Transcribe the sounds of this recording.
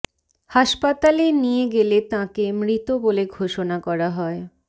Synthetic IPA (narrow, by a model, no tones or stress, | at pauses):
haʃpat̪alenijeɡelet̪ãkemɾit̪oboleɡʱoʃonakɔɾaɦɔe